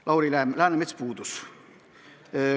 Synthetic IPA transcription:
lʔɑwɾilælæːnemet̪spuːd̪us

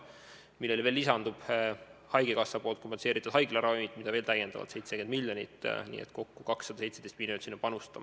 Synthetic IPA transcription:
milːelve̞ːlːisɑnd̪ub̥hɑjɡekɑsːɑpo̞ːlt̪ko̞mpese̞ːɾit̪ːˑud̪hɑjɡ̥lɑɾɑmit̪mid̪̥ɑveːlt̪æjend̪ɑvɑ̰d̪se̞jt̪seke̞nd̪̚miljo̞nit̪ːˑnḭːḛt̪ˑko̞kːukɑksːɑd̪ɑse̞jt̪se̞d̥̪ejst̪̚miljont̪ːsinːɑpɑnust̪ɑm

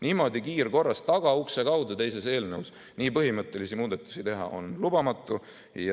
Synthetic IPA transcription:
niːmo̞d̪ikiːɾko̞rːɑst̪ɑɡ̥ɑuksekɑwd̪ɑt̪e̞jse̞se̞ːlneus | niːpɤɦimɤt̪ˑːe̞lisimuːd̪̥et̪ːˑu̥sit̪e̞ɦɑ̰ʔo̞̰nlub̥ɑmɑt̪ːˑu

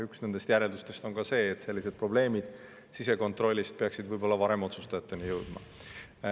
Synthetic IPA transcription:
yksne̞nd̪est̪jæɾe̞ld̪̥ust̪e̞st̪o̞nkɑse̞ːt̪se̞lʲːise̞d̪̥̚pro̞ble̞ːmid̪̥ | sise̞ko̞nt̪ˑro̞lʲːist̪̚pe̞ɑksid̪vɯjbo̞lːɑvɑɾe̞mo̞t̪sust̪ɑjɑt̪ːe̞nijɤwd̪̥mɑ̰

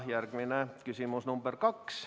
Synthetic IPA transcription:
hjærkʋinækysimusnumb̥erkɑks

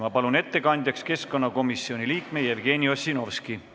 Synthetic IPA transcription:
mɑpɑlune̞t̪ːe̞kɑnʲd̪̥ʲjɑkske̞sko̞nːɑko̞misːio̞nʲiliːkme̞jevɡ̥e̞ːnʲio̞sino̞vski

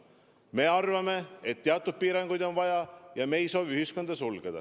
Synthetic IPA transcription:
me̞ːɑrvɑme̞et̪ːeɑt̪ːˑud̪̥̚piːɾɑŋɡ̥ujd̪o̞nvɑjɑjɑme̞ːjso̞ːviyɦisko̞nd̪̥ɑsulɡ̥ed̪̥ɑ̰

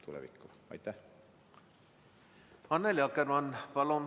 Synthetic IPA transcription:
t̪ʰulɛ̰vḭkːu | ɑ̰jt̪ːæh | ɑnːeljɑkːɛɾmɑnpɑlon

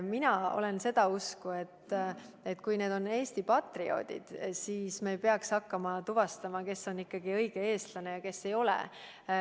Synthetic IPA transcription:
minɑo̞̰le̞nse̞d̪̥ɑuskue̞t̪ː | e̞t̪ːˑkujne̞ːd̪̥o̞nːe̞ːst̪ipɑt̪rio̞̰d̪̥ḭd̪̥siːsmeːjpe̞ɑksɑkːɑmɑt̪uvɑst̪ɑmɑke̞so̞nikːɑɡ̥iɤjɡ̥e̞e̞ːst̪lɑne̞jɑke̞sːe̞jo̞lɛ̰

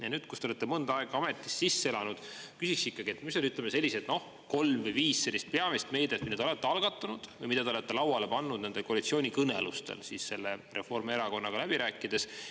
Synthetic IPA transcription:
jɑnyːd̪̥kust̪eo̞le̞t̪ːe̞mɤnd̪ɑɑe̞ɡ̥ɑɑme̞t̪ːˑi̥sːisːe̞lɑnud̪̥kysiksikːɑɡie̞t̪ːmisolyt̪lemese̞lʲːiset̪no̞h | ko̞lmvɨjviːsse̞lːist̪̚pe̞ɑmist̪me̞jd̪et̪mind̪eolet̪ːeɑlɡ̥ɑt̪ˑːunud̪̥vɤjmid̪̥ɑd̪eole̞t̪ːe̞lɑwɑle̞pɑnːud̪ne̞ne̞lko̞ɑlit̪sio̞ːnʲikɤnelust̪ḛlsiːsse̞lːere̞fo̞rme̞ɾɑko̞nːɑɡ̥ɑlæb̥iɾæːkːˑid̪̥e̞s

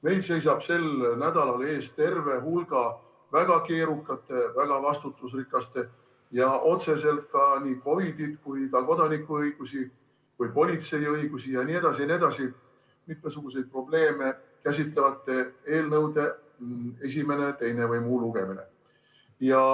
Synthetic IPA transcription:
me̞jlse̞js̬ɑb̥se̞lnæd̪̥ɑlɑle̞ːst̪e̞rve̞ɦulɡ̥ɑ | væɡ̥ɑke̞ːɾukːˑɑt̪ːˑe̞væɡ̥ɑvɑst̪ut̪ˑːusrikːˑɑst̪e̞ | jɑʔo̞t̪se̞se̞lt̪̚kɑniko̞vid̪id̪̥kujkɑko̞d̪ɑnikːˑuɤjɡ̥usi | kujpo̞lʲit̪se̞jɤjɡ̥usijɑnie̞d̪̥ɑsinʲie̞d̪̥ɑsi | mit̪mesuɡ̥use̞jd̪̥̚pro̞b̥le̞ːme̞kæsʲit̪le̞vɑt̪ːˑe̞e̞ːlnɤwd̪e̞ | e̞s̬ʲime̞ne̞t̪e̞jne̞vɯjmuːluɡ̥e̞mine̞̰ | jɑ

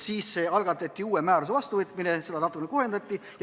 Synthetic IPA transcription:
siːsseɑlɡ̥ɑt̪ːˑɑt̪ʲːiuːemæːɾuse̞vɑst̪uvɤt̪ːˑminese̞d̪ɑnɑt̪ːˑuknekuhe̞nd̪̥ɑt̪ʲˑːij

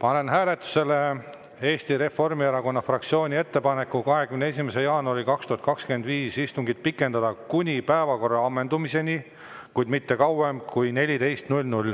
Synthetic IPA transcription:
pɑne̞nɦæːle̞t̪ːˑu̥se̞le | e̞ːst̪iɾe̞fo̞rmieɾɑko̞nːɑfrɑkt̪sio̞ːnʲie̞t̪ːe̞pɑne̞kːˑukɑɦe̞kymnees̬ʲimese̞jɑːnuɑɾikɑkst̪uhɑt̪kɑkskye̞nd̪viːsist̪uŋɡid̪̥̚pikːˑe̞nd̪ɑd̪̥ɑkunʲipæevɑko̞rːɑɑmːe̞nd̪umise̞nʲi | kujd̪mit̪ːe̞kɑwemkujne̞lʲit̪e̞jst̪nulʲnulʲ

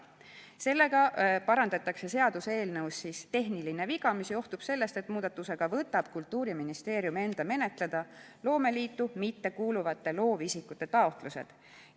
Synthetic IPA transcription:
se̞lːe̞ɡ̥ɑpɑɾɑnd̪̥ɑt̪ːˑɑkse̞se̞ɑd̪̥useːlnɤwsːist̪e̞ɦniline̞viɡ̥ɑmisjo̞ht̪ub̥se̞lːe̞st̪e̞t̪muːd̪̥ɑt̪ːuse̞ɡ̥ɑvɤt̪ːˑɑb̥kult̪ˑːuːɾiminist̪e̞ːɾjume̞nd̪̥ɑme̞ne̞t̪ˑle̞d̪̥ɑ | lo̞ːme̞liːt̪ːumit̪ːe̞kuːluvɑt̪ːe̞lo̞ːvisikːut̪ːˑe̞t̪ɑo̞t̪ˑluse̞̰d̪̥

